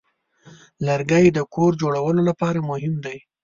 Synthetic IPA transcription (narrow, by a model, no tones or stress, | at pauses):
laɾɡajd̪əkoɾd͡ʒoɽawəlolapɑɾamʊhɪmd̪aj